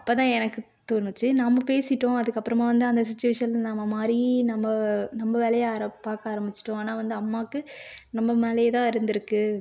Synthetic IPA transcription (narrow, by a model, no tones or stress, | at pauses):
ɐpːoːt̪ãːɛnɐkːɯ | t̪oːnːɯt͡ʃːɯnamːɐpeːsɪʈːõːɐðɯkːɐpːɯɾɐmaːʋɐnd̪ɯɐnd̪ɐs̬ɪt͡ʃːʊʋɐʂɐnlnɐmːɐmaːdɾinɐmbɐnɐmːbɐʋɛlɐjaːɾɐpːaːkaːɾɐmbɪt͡ʃːɪ̥ʈːõaːnaːʋɐnd̪ɯɐmːaːkːɯnɐmːɐmɐlɐjɐt̪ãːɪɾɯnd̪ɪɾɯkːɯ